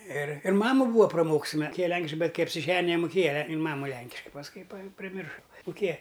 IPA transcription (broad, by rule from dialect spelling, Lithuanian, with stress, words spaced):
ɪr ɪr ˈmɑːmʊ ˈbuːɐ prɐˈmoːkʊs jɪn mʊˈkʲeːjɛ ˈlʲɛŋʲkʲɪʃkɐɪ ˈbʲɛt ˈkɐɪ ɐpʲsʲɪˈʒʲæːnʲɪjɛ nʲɛmʊˈkʲeːjɛ ɪn ˈmɑːmʊ ˈlʲɛŋʲkʲɪʃkɐɪ pɐsˈkʊɪ pɐ pʲrʲɪˈmʲɪrʃɐ mʊˈkʲeːjɛ